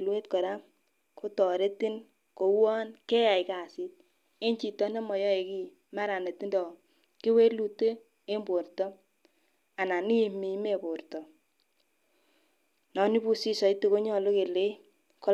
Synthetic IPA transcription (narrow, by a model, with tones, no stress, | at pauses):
lwe˦t̚kɔ˨ɾa˦ | ko˦tɔ˨ɾe˦ti˦n | ko˨wɔ˦nke˦ja˨jka˨si˦t̚ | e˦nt͡ʃi˨tɔ˦ne˦mɔ˨jɔ˦e˨ki˦ | ma˦ɾa˨ne˨ti˦ndɔ˨ | ki˦we˦lu˦te˦ | e˦mbo˨ɾtɔ˦ | a˨na˨ni˦˨mi˨˦me˦˨bo˨ɾtɔ˨ | nɔ˨ni˦bu˦si˦sɔ˨i˦tu˦˨ko˦ɲɔ˦˨lo˦ke˨le˦ | ko˦